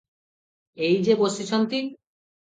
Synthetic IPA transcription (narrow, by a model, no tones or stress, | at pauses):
ejd͡ʑebosit͡ɕʰont̪i